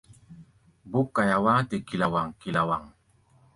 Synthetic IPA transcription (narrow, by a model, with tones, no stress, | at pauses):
bu˦kːa˨ja˨wa˦te˨ki˨la˨wa˨ŋki˨la˨wa˨ŋ